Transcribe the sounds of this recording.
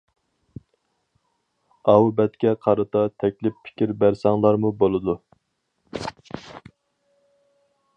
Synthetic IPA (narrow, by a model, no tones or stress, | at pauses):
ɑwbɛt̪kʲɛqʰɑɾɨt̪ʰɑt̪ʰɛkʲlɪpːʰɪ̥kʲiɾbæɾsɑŋlˠɑɾmubolˠɨd̪u